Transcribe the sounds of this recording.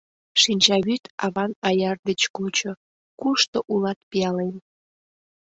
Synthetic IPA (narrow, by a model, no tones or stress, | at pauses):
ʃinʲt͡ɕɑβyt̪ɑβɑnɑjɑrd̪et͡ɕkult͡ɕo | kuʃt̪oʔulɑt̪̚piɑlen